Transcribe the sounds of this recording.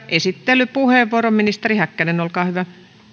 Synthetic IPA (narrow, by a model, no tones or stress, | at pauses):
ʔesit̪ːelːˑypuheˑʋːuoromminist̪erihækːænenolkɑːhyʋæ